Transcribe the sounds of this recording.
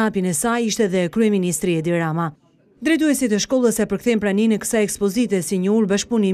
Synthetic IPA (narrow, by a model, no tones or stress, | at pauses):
apinɛsajiʃt̪ɛðɛkɾyɛminist̪ɾiɛd̪iɾama | d̪ɾɛt̪uɛsit̪ɛʃkɔlˠəsɛpəɾkθɛmpɾaninɛkə̥saɛkspɔzit̪ɛsiɲəuɾbaʃpuni